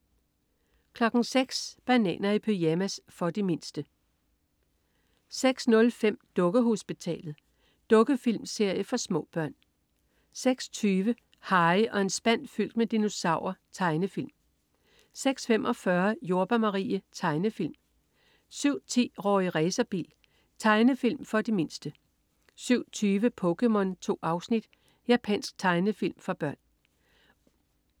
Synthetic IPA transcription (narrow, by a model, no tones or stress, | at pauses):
kʰlɒ̽ɡ̥n̩seɡ̥sb̥ænɛ̰ːnɐipʰøæmæsfɒ̽d̥ime̝nsd̥ə | seɡ̥snɔ̽lfem̰d̥ɔ̽ɡ̥əɦo̝sb̥it͡sʰɛ̰ːlð̩ˠ | d̥ɔ̽ɡ̥əfil̰mse̝ɐ̰jəfɒ̽smɔ̰̽ːb̥ɶɐ̰n | seɡ̥sɒ̥t͡sʰyːʋə | hɑ̈ɪʔɒ̽e̝nsb̥æn̰fyl̰d̥med̥ino̝sɑ̈ʊ̰ɐt͡sʰɑ̈ɪnəfil̰m | seɡ̥sfemʔɒ̽fɶɐjo̝ɐb̥ɐmɑʁḭːət͡sʰɑ̈ɪnəfil̰m | syʊ̰t͡sʰḭːʁɒ̰ːiʁɛːsɐb̥ḭːl | t͡sʰɑ̈ɪnəfilmfɒ̽d̥ime̝nsd̥ə | syʊ̰t͡sʰyːʋəpʰɔ̽kemɔ̽nt͡sʰo̝̰ːʔɑ̈ʊsnid̥ | jæpʰɛ̰ːn̰sɡ̥̚t͡sʰɑ̈ɪnəfil̰mfɒ̽b̥ɶɐ̰n